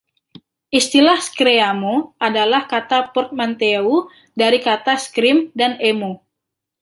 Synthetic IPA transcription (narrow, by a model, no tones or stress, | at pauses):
ʔist̪ilahskɾeamoʔadalahkat̪apɔrt̪̚mant̪eu | daɾikat̪askɾimdanemo